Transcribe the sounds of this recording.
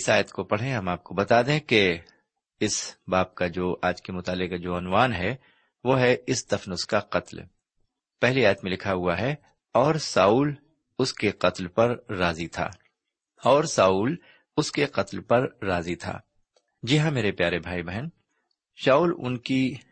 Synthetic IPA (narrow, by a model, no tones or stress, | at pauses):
ɪsaːjət̪kopɐɽ̤ɦẽɦɐmaːp̚kobɐt̪aːd̪ẽke | ɪsbaːp̚kad͡ʒoːʔaːd͡ʒkemʊt̪aːlɪkad͡ʒoːənʋaːnɦɛ | ʋoːɦɛɪsd̪ɐfnʊskaqɐt̪l | pɛɦliaːjət̪mẽlɪkʰaɦʊaɦɛ | ɔːɾsaːuːl | ʊskeqɐt̪lpɐɾːaːzit̪ʰa̰ː | ɔːɾsaːuːl | ʊskeqɐt̪lpɐɾːaːzit̪ʰa̰ː | d͡ʒɪɦãmeːɾepjaːɾebʱaːibɛɦən | ʃaːuːlʊ̰nki